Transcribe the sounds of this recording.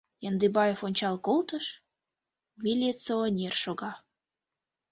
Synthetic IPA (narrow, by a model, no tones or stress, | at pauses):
jɑnd̪ɨbɑjefonʲt͡ɕɑlkolt̪əʃ | milʲet͡soːnʲerʃoɣɑ